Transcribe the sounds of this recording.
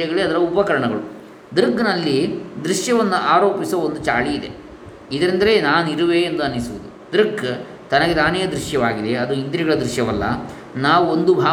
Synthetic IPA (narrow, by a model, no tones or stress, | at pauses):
ɐɡɐɭiɐd̪ɐɾɐupɐkɐɾɐɳɐɡɐɭu | d̪ɾɡnɐlːid̪ɾiʃjɐʋɐnːuʔaːɾo̞ːpisɐond̪ut͡ʃaːɭiːd̪e̞̰ | id̪ɐɾind̪ɐɾe̞naːnuiɾuʋe̞ːnd̪uɐnːisuʋud̪ud̪ɾiɡ | t̪ɐnɐɡet̪aːnɛjɐd̪ɾiʂjɐʋaːɡid̪e̞ɐd̪uind̪ɾiɡɐɭɐd̪ɾiʂjɐʋɐlːɐ̰ | naːʋuond̪ubʱaː